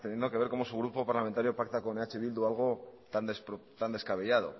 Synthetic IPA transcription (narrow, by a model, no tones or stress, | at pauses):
t̪e̞njenoke̞βe̞ɾko̞mo̞suɣ̞ɾupo̞paɾlame̞nt̪aɾjopak̚t̪akoneat͡ʃeβild̪ualɣ̞o̞t̪and̪esɾot̪and̪e̞skaβe̞ʎað̞o̞̰